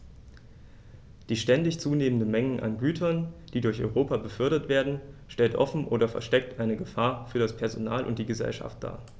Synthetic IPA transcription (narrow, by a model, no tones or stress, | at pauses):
d̥iːʃtɛndɪçt͡suːneːməndənmɛŋənʔa̰nɡyːtʰɐnd̥iːdʊɐçʔɔ̰ʏʁoːpabəfʏɐɾɐtv̥eːɐdn̩ʃtɛltʔɔfn̩ʔoːɾɐfɛ̰ɐʃtɛk̚tʔaɪnəɡəfaːɐfyːɐdaspʰɛɐzonaːlʔʊntd̥iːɡəzɛ̰lʃa̰ft̚d̥a̰ː